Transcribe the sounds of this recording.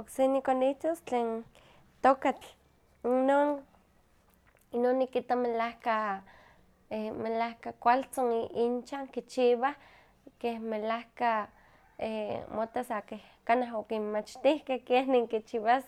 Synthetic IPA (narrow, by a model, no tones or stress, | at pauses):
oksenikoniht̪ost͡ɬeːn | t̪okat͡ɬ | inon | inonːikit̪amelahka | emelahkakʷalt͡sonint͡ʃaŋkit͡ʃiβah | kehmelahka | emot̪asakeh | kanaɦokimmat͡ʃt̪ihkehkehneŋkit͡ʃiβas